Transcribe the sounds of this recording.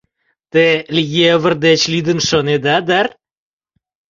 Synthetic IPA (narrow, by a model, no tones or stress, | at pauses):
t̪elʲijeβərd̪et͡ɕlid̪ənʃoned̪ad̪ar